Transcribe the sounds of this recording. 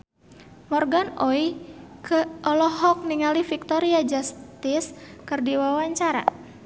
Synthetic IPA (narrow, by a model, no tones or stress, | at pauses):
mɔrɡanɔikəʔɔlɔɦɔk̚niŋalifik̚t̪ɔɾiad͡ʒast̪iskɨrdiwawaɲt͡ʃaɾa̰